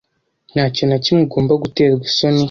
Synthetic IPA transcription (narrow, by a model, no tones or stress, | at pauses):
n̥haːconacimuɡo̞ːmbaɡute̞ːɾɡiso̞ni